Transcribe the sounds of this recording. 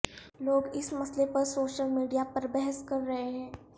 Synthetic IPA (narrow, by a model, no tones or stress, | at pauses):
loːɡɪsmɐslepɐɾsoːʃəlmiːɖijapɐɾbɛɦəskɐɾːɐɦeɦɛ̃ː